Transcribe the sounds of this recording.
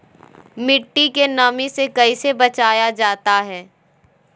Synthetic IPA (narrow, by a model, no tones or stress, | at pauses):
mɪʈːikenɐmisekɐisebɐt͡ʃaːjad͡ʒaːt̪aɦɛː